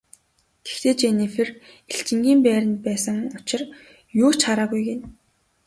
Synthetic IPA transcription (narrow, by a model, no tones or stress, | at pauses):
ɡ̥e̥xt̪eːt͡ɕenefɘ̆r | eɬt͡ɕɪ̆ŋɡʲiːmpæːɾʲə̆nt̪̚pæːsə̆ŋʊt͡ɕɪ̆r | jʊːt͡ɕχaɾaːɣujɡen